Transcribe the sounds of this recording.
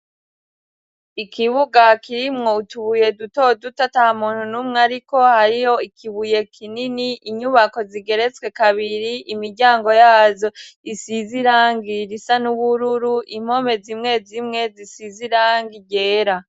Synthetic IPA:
ikʰiβuɡakiɾimŋo̞utuβuje̞duto̞dutatahamuːn̥hunumŋaɾiko̞haɾijo̞ikʰiβuje̞kʰininiʔiɲuβako̞ziɡe̞ɾe̞t͡swe̞kaβiɾiʔimiɾɟaːŋɡo̞jaːzo̞isiziɾaːŋɡiɾisanuβuɾuɾuʔim̥o̞me̞zimŋe̞zimŋe̞zisiziɾaːŋɡiɟeːɾa

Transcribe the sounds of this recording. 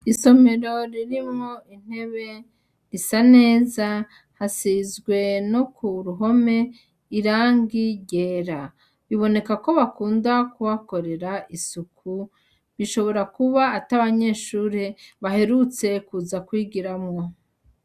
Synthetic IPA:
iso̞me̞ɾo̞ɾiɾimŋo̞in̥he̞βe̞ | ɾisane̞ːza | hasizɡwe̞no̞kʰuɾuɦo̞me̞ | iɾaːŋɡiɟeːɾa | βiβo̞ne̞kako̞βakuːndakuwako̞ɾe̞ɾaʔisukʰu | βiʃo̞βo̞ɾakuβaːtaβaɲe̞ːʃuːɾeβaɦe̞ɾut͡se̞kuzakwiːɡiɾamŋo̞

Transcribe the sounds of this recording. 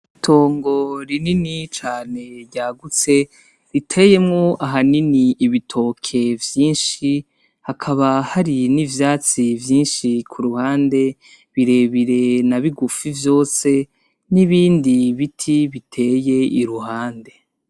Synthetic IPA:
itʰo̞ːŋɡo̞ɾininit͡ʃaːne̞ɾɟaːɡut͡se̞ | ɾitʰe̞je̞mŋoʔaɦaniniiβitʰo̞kʰe̞vjiːnʃi | hakʰaβahaɾinivjaːt͡sivjiːnʃikʰuɾuhaːnde̞ | βiɾe̞ːβiɾe̞naβiɡufivjo̞ːse̞ | niβiːndiβitʰiβitʰe̞ːje̞ʔiɾuhaːnde̞

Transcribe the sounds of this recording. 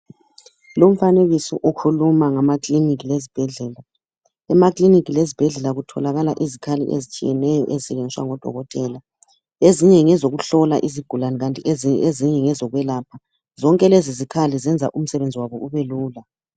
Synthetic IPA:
lom̩faneɣisɔ̰ʔokʰulumaŋamakʼlinik̬ʼilezib̥ʱɛɮɛːla | ɛmakʼlinikʼilezib̥ʱɛɮɛlaɣutʰɔlaɣala̰ʔizikʰalḭʔḛzit͡ʃʼijɛnɛjɔ̰ʔɛzisɛɣend͡ziswa̰ŋɔd̥ʱɔ̰ɣɔtʼɛla | eziɲɛŋɛzoɣuɬɔla̰ʔiziɡ̥ʱulanɛɣantʼieziɲɛŋɛzɔɣwɛlaːpʰa | zɔŋkʼɛlezizikʰalizɛnd͡zʱa̰ʔum̩sɛβend͡zʱiwaβɔʔuβɛluːla

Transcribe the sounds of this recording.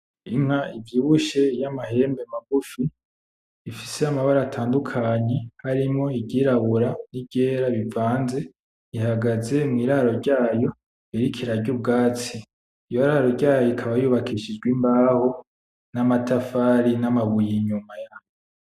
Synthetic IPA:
iŋ̥haivjiːβuʃe̞jamaɦe̞ːmbe̞maɡufiː | fiseamaβaɾaːtʰaːndukʰaɲe̞haɾimŋo̞ibɟiɾaβuɾanibɟe̞ːɾaβivaːnze̞ | ihaɡaze̞mŋiːɾahɾo̞ɾɟaːjo̞ | iɾikʰiɾaɟub̚ɡaːt͡si | ijoɾaɾo̞ɾɟaːjjoikʰaβajuβakʰiʃid͡ʒɡwimbaːho̞ | namatʰafaɾinamaβujiɲumajajo

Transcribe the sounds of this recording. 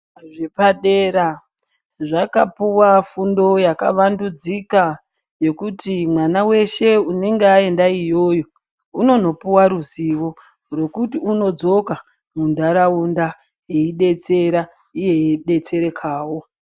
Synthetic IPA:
ʐepaɗeɾa | ʐakapuwafundo̞jakaʋandud͡zika | je̞kutimwanawe̞ʃe̞une̞ŋɡeae̞ndaijo̞ːjo̞ | uno̞no̞puwaɾuziʋo̞ | ro̞kutiuno̞d͡zo̞ka | mundaɾaunda | jeiɗe̞t͡se̞ɾa | ije̞ɗe̞t͡se̞ɾe̞kʰaːwo̞

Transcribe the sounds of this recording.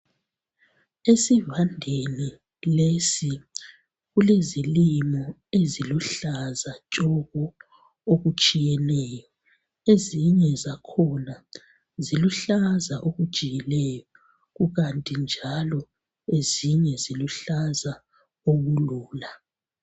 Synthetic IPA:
esivandʱeni | lesi | ɣulezilimɔ | eziluɬazat͡ʃʼɔɣɔ | oɣut͡ʃʼijɛnɛːjɔ | eziɲɛzakʰɔna | ziluɬazaʔoɣud̥ʒ̥ʱijilɛjɔ | ɣuɣantʼind͡ʒʱalɔ | eziɲɛziluɬaza | oɣuluːla

